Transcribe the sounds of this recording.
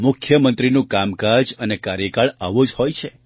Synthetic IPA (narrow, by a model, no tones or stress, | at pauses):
mʊkʰjəmənt̪ɾinũkamkad͡ʒənekaɾjəkaɭa̰ʋod͡ʒhojt͡ʃʰe